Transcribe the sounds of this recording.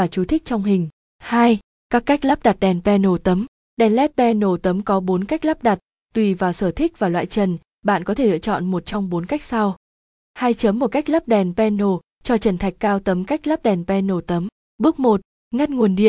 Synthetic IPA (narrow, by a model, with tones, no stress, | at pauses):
vaː˨˩t͡ɕu˨˦t̪ʰï˦˥k̚t͡ɕɔ˧wŋ͡mɦï˨˩ŋ̟ | haː˧j | kaː˦˥kːa˦˥k̚la˦˥p̚ɗa˨˩t̚ɗɛ˨˩npɛ˧no˨˧˩t̪ə˨˦m | ɗɛ˨˩nlɛ˦˥t̚ɓɛ˧no˨˩t̪ə˨˦mkɔ˨˦ɓo˨˦nka˦˥jk̚laː˦˥p̚ɗa˨˩t̚ | t̪wi˧˩vaː˨˩wsəː˧˩t̪ʰï˦˥k̚vaː˨˩lwa̰ː˧˨jt͡ɕə˨˩n | ɓa̰ː˧˨nkɔ˨˦t̪ʰe˧˩lɨ̰˧˨ət͡ɕɔ̰˧˨nmo˨˩t̚t͡ɕɔ˧wŋ͡mɓo˨˦nka˦˥jk̚sa˧w | ha˧jt͡ɕə˨˦mːo˨˩t̚ka˦˥jk̚ləː˦˥p̚ɗɛ˨˩npɛ˧no˧˩ | t͡ɕɔ˧t͡ɕə˧˩nt̪ʰa˨˩jk̟̚kːaː˧wt̪ə˨˦mka˦˥jk̟̚laː˦˥p̚ɗɛ˨˩nɓɛ˧no˧˩t̪ə˨˦m | ɓɨ˦˥ək̚mo˨˩t̚ | ŋa˧nŋu˨˩ənɗḭ˧˨ən